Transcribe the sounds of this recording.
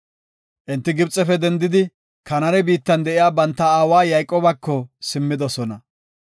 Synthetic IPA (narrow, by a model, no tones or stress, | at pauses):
ʔɪnt̪ːɪɡɪbt͡sʼːɛfɛd̪ɛnd̪ɪd̪ɪ | kɐnɐɾɛbiːt̪ːɐnd̪ɛʔɪjaːbɐnt̪ːɐaːwaːjɐjkʼːoːbɐkːɔsɪmːɪd̪ɔsɔnɐ